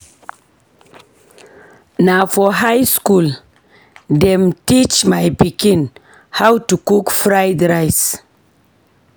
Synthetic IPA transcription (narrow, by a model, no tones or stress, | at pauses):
nafɔɦajskul | demtit͡ʃmajpikĩn | hawtukukfɾajdɾajs